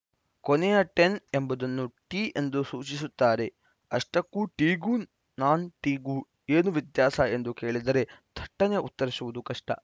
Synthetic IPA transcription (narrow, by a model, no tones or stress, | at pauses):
konɛjɐʈe̞ne̞mbɐd̪ɐnːuʈiːend̪usuːt͡ʃisut̪ːaːɾe̞ | ɐʂʈɐkːuʈiːɡu | naːnʈiːɡu | eːnuʋid̪jaːsɐe̞nd̪uke̞ːɭid̪ɐɾe̞d̪̥ʱɐʈːɐneʔut̪ːɐɾisuʋud̪ukɐʂʈɐ̰